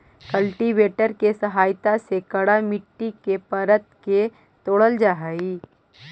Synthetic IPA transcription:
kəlʈiʋeːʈəɾkesɐɦaːjt̪asekɐɽamɪʈːikepɐɾət̪ke | t̪oːɽəld͡ʒaɦəiː

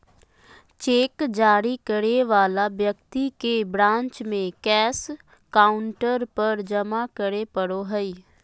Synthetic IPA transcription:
t͡ʃeːkd͡ʒaːɾikəɾeʋaːlabjəkt̪ikebɾãːnt͡ʃmẽkɛːs | kaːʊɳʈəɾpəɾd͡ʒəmakəɾepəɽoɦəiː

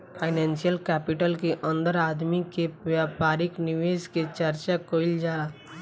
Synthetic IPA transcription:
pʰaɪnɛnsijəlkɛpɪʈəlkeʔə̃nd̪əɾaːd̪mikeʋjaːpaːɾɪknɪʋeːsket͡ʃəɾt͡ʃakoːɪld͡ʒaːla

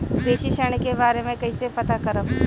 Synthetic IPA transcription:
b̪eːʃiʃəɽ̃ekebaːɾemẽkɐisepɐt̪akɐɾəm

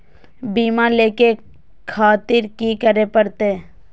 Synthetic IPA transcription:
biːmãleːke | kʰaːt̪ɪɾkikəɾepəɾt̪e

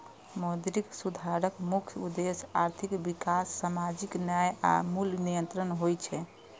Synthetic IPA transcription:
mod̪iɾiksud̪ʱaɾəkmukʰjud̪esaɾt̪ʰikbikasːamad͡ʒiknjaja̰mulnijənt̪ɾənɦojt͡ʃʰɛ

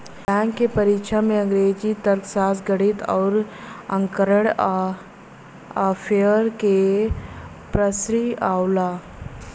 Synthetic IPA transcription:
bɛ̃ːŋkːepəɾiːkʃamẽə̃ŋɡɾeːd͡ʒit̪əɾt̪ʰsaːsɡəɽit̪ɔ̰ːɾə̃ŋkəɾəɽ | pʰeəɾke | pɾəsɾiaːwla

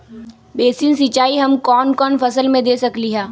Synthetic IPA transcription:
beːsinsɪt͡ʃːaːiɦɐmkɔːnkɔːnfɐsəlmẽd̪eːsɐkliɦɛː

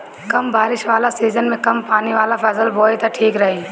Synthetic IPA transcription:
kɐmbaːɾɪʃʋaːlasiːzənmẽkɐmpaːniʋaːlapʰɐsəlbʱoːit̪aʈʰiːkɾɐɦiː

